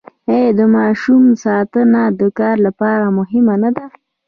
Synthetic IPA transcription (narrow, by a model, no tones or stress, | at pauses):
ed̪əmɑʃumsɑt̪ənad̪əkɑɾlapɑɾamʊɦɪmanad̪a